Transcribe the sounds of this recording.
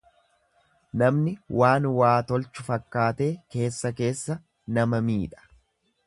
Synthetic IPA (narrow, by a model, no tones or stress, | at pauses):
nɐmnɪwaːnwaːt̪ɔlt͡ʃːʊfɐkːaːt̪e̞ːke̞ːsːɐke̞ːsːɐ | nɐmɐmiːᶑɐ̥